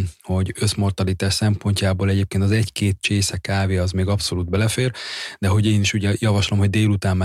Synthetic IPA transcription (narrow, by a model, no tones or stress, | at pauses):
ho̞ɟø̞smo̞rt̪ɒlit̪aːʃsɛmpo̞ɲcaːboːlɛɟeːp̚keːnt̪ɒzɛɟkeːt̪̚t͡ʃeːsɛkaːveːɒzmeːɡɒpso̞luːd̪̚bɛlɛfeːrd̪ɛɦoɟeːniʃuɟɛjɒvɒʃlo̞mho̞ɟd̪eːlut̪aːmːa